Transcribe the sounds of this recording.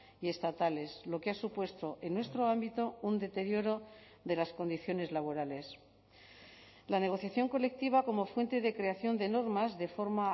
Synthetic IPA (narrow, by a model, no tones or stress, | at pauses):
ie̞st̪at̪ale̞slo̞keasupwe̞st̪o̞ʔe̞nːwe̞st̪ɾoambit̪o̞und̪e̞t̪e̞ɾjo̞ɾo̞ | ðe̞lasko̞nd̪iθjo̞ne̞zlaβ̞o̞ɾale̞s | lane̞ɣ̞o̞θjaθjo̞ŋko̞le̞k̚t̪iβ̞ako̞mo̞fwe̞nt̪e̞ðe̞kɾe̞aθjo̞nd̪e̞no̞ɾmazðe̞fo̞ɾma